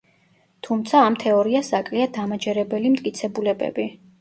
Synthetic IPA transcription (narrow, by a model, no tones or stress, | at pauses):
t̪ʰumt̪sʰaːmt̪ʰɛɔɾiasakʼliad̪amad͡ʒɛɾɛbɛlimt̪ʼkʼit̪sʰɛbulɛbɛ̰bi